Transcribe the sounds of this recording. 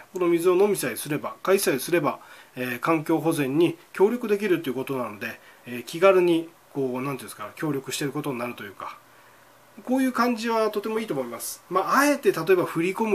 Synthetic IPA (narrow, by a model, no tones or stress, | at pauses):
ko̞no̞mʲizɨo̞no̞mʲisaisɨɾe̞bakaisaisɨɾe̞baeːkãŋk̬ʲo̞ːɦo̞zẽ̞ɲ̟ːikʲo̞ːɾʲo̞kɯ̟d̪e̞k̬ʲiɾɯ̟t̪ːeiɯ̟ko̞t̪o̞nano̞d̪e̞ːkʲiɡaɾɯ̟ɲ̟i | ko̞ːnãnt̪iskaakʲo̞ːɾʲo̞kɯ̟ɕi̥t̪e̞ɾɯ̟ko̞t̪o̞ɲ̟inaɾɯ̟t̪o̞jɯ̟ːka | koːjɯ̟ːkãɲ̟d͡ʑiβat̪o̞t̪e̞mo̞iːt̪omoimasɨ̥maːe̞t̪e̞t̪at̪o̞e̞baɸɯɾʲiko̞mɯ̟